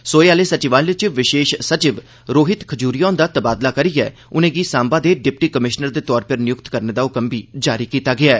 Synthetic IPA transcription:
soːeaːleːsət͡ʃɪʋãːnlɪt͡ʃʋɪʃeːʃsət͡ʃɪʋ | ɾoːɦɪt̪kʰəd͡ʒuːɾijãːnd̪aːt̪əbaːd̪laːkəɾiːɛː | ʊnẽːɡiːsãːmbaːd̪eːɖɪp̚ʈiːkəmɪʃnəɾd̪eːt̪ɔːɾpɪɾnɪjʊkt̪kəɾneːd̪aːʊkəmbiːd͡ʒaːɾiːkiːt̪aːɡɪaːɛː

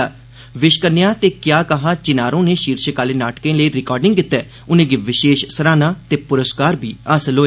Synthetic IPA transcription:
ʋɪʃkənɪjaːt̪eːkjaːkəɦaːt͡ʃɪnaːɾõːneːʃiːɾʃəkaːleːnaːʈkẽːləiːɾɪkɔːɾɖɪ̃ŋɡkɪt̪ːɛː | ʊnẽːɡiːʋɪʃeːʃsəɾaːnaːt̪eːpʊɾəskaːɾbʱiːasəloːeː

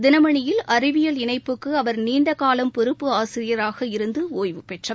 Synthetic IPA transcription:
d̪ɪnɐmɐɳɪjɪlʔɐrɪʋɪjɐlɪɳɐɪpːɯkːɯɐʋɐɾniːɳɖɐkaːlɐmpʊɾɯpːɯaːsɪɾɪjɐɾaːɣɐɪɾɯnd̪ɯoːjʋɯpːɛʈrɐ

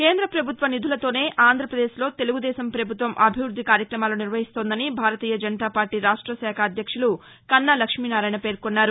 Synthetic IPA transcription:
ke̞ːnd̪ɾɐpɾɐbʱut̪ʋɐnid̪ʱulɐt̪o̞ːne̞ːʔaːnd̪ʱɾɐpɾɐd̪eːʃlo̞ːt̪eluɡud̪ɛːsɐmpɾɐbʱut̪ʋɐmʔɐbʱiʋɾud̪ʱːikaːɾjɐkɾɐmaːloːniɾʋɐɦist̪o̞ːnd̪ɐnibʱaːɾɐt̪iːjɐd͡ʒɐnt̪aːpaːɾʈiːɾaːʂʈɾɐsɛːkʰaːd̪ʱjɐkʂulu | kɐnːalɐkʂminaːɾaːjnɐpe̞ːɾkonːaːɾu

